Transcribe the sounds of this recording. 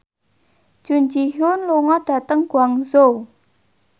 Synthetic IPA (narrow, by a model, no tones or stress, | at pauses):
ʒ̥uɲd͡ʒiɦʊnluŋɔɖ̥a̤t̪əŋɡ̥uaŋzo